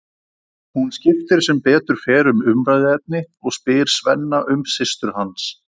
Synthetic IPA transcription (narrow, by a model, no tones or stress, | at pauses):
hunscɪft̪ɪɾ̥sɛmpɛːt̪ʏɾ̥fɛːɾʏmʏmɾajðɪɛt̪̚nɪ | ɔɣspɪːɾ̥svɛ̰nːaʔʏmsɪst̪ʏɾ̥hans